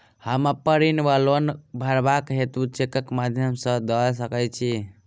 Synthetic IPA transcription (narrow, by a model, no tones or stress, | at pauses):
həmapəɾinʋalonbʱəɾbakɦet̪ut͡ʃekəkmad̪ʱjəmsə̃d̪əlsəkət͡ʃʰi